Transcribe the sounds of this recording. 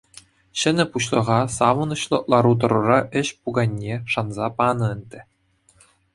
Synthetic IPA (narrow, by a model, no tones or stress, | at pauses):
ɕɘ̆nʲɘ̆puɕlˠɤ̆ʁɑsɑʋɤ̆nɤ̆ɕlˠɤ̆lˠɑɾut̪̬ɤ̆ɾɤ̆rɑʔɘ̆ɕpuɡɑnʲːeʂɑnzɑpɑnɤ̆ɘ̆nʲd̪ʲɘ̆